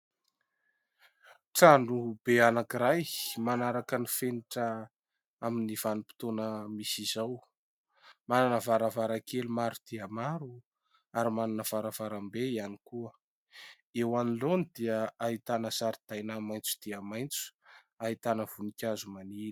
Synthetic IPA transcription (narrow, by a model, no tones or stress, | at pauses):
ʈ͡ʂaɳɖ͡ʐub̥eanakiɾajmanaɾakənifeniʈ͡ʂə | aminiv̥anupi̥t̪onəmisizaw | mananəvaɾavaɾakelumaɾud̪̥iamaɾu | aɾimananəv̥aɾavaɾambeianikuə | ewanilonid̪iəaɦit̪anəsaɾid̪̥ajnamajnt͡su̥d̪̥iəmajnt͡su̥ | aɦit̪anəv̥unikʲazumanini̥